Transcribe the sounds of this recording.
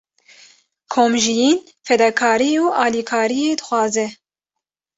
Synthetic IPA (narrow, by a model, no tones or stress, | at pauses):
kʰoːmʒijiːn | fɛd̪ɑkʰɑːɾiuːʔɑːlikʰɑːɾijeːd̪ɨxwɑːzɛ